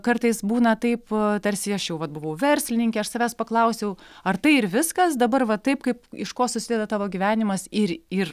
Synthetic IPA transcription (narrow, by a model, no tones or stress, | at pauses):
kɐrt̪ɐɪsbuːnɐt̪ɐɪpt̪ɐɾʲsʲɪɐʃjɛʊʋɐt̪̚bʊʋɐʊʋʲɛɾʲsʲlʲɪnʲɪŋkʲɛːɐʃsɐʋʲæːspɐklˠɐʊsʲɛʊɐrt̪ɐɪɪɾʋʲɪskɐsd̪ɐbɐrʋɐt̪ɐɪpkɐɪpɪʃkoːsʊsʲɪd̪ʲɛd̪ɐt̪ɑːʋoːɡʲiːʋʲæːnʲɪmɐsɪɾɪr